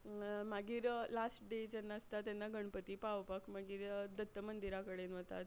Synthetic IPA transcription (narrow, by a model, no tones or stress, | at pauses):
maɡiːɾlasʈɖed͡ʑɛnːaəst̪at̪ːɛnːaɡəɳpət̪iːpaʋpakmaɡiːɾd̪ət̪ːəmənd̪iɾakəɽenʋət̪a̰t̪